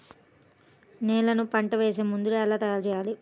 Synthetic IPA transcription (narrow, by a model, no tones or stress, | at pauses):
nɛːlɐnupɐɳʈɐʋe̞ːseːmund̪ulɛlaːt̪ɐjalt͡ʃɛːjaːli